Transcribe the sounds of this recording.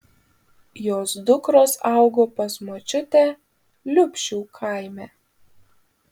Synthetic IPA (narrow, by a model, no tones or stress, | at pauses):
joːsd̪ʊkɾoːsɑˑʊɡoːpɐsmoːt͡ʃʲʊt̪ʲæː | lʲʊpʲʃʲuːkʰɑˑɪmʲæː